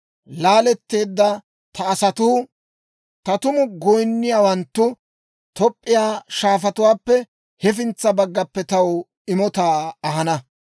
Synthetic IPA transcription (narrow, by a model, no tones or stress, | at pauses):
laːlɛt̪ːe̞ːd̪ːɐ | t̪ʰɐːsɐt̪uː | t̪ɐt̪ʊmʊɡɔjnːɪjaːwɐnt̪ːʊ | t̪ɔpʼːɪjaːʃaːfɐt̪ʊwaːpːɛ | hɛfɪnt͡sːɐbɐɡːɐpːɛt̪ɐw | ɪmɔt̪aːɐɦɐnɐ